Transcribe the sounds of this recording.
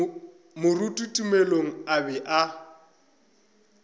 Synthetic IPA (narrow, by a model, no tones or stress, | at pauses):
mʊrutʼutʼumeloŋ̩abɛʔa